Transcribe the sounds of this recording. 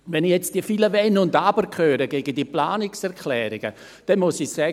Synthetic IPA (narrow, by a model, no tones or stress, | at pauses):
vɛnjɛt͡std̥iəfiləvɛnʊndabəɾkʰχøːɾəɡeːɡəndiəplaːnɪksɛɾkʰlɛːɾɪɡ̥ə | d̥ɛnmʊsisɛː